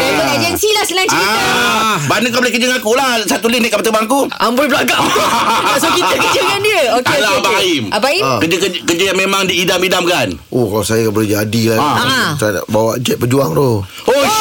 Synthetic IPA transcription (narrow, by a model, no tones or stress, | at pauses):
aəed͡ʒɛnsilahsənaŋi | banəkabolihkəd͡ʒəŋakulasat̪ulɪniʔkapat̪əbaŋakuamboɛbəlaɡaʔbdaʔsokiəd͡ʒəŋandiəokelaabaaimabaikəd͡ʒəkəkəd͡ʒəjaŋmemaŋdiːdamidamkan | ohkalasajakabolid͡ʒadilat̪ada̰ʔbawaʔd͡ʒɛt̪̚pəd͡ʒuaŋt̪o | o